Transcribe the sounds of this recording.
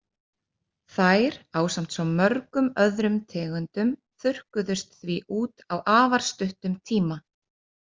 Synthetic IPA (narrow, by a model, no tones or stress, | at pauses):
θajɾaːwsam̥t̪sɔwmœɾkʏmœðɾʏmt̪ʰɛːɣʏnt̪ʏm | θʏr̥kʏðʏst̪θviʔuːt̪awʔaːvaɾ̥st̪ʏht̪ʏmt̪ʰiːma